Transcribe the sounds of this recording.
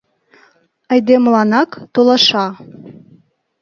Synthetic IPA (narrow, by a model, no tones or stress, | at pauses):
ɑjd̪emlˠɑnɑkt̪olˠɑʃɑ